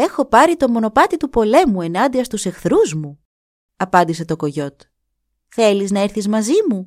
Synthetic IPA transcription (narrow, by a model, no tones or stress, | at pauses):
e̞xo̞pɐɾit̪o̞mo̞no̞pɐt̪it̪upo̞le̞mue̞nɐnd̪iɐst̪use̞xθɾuzmu | ɐpɐnd̪is̬e̞t̪o̞ko̞ʝo̞t̪ | θe̞liznɐeɾθizmɐzimu